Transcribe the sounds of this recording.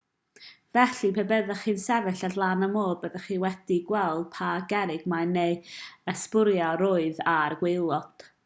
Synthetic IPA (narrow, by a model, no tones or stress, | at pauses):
vɛɬipʰebəðəχiːnsɛvɨɬadlˠanəmoːrbəðɛχiːwɛd̥iɡwɛlˠd̥̚pʰaɡɛɾɪɡ̥manejəspʊɾjɔɾʊːɨðarɡwɪlˠɔd̥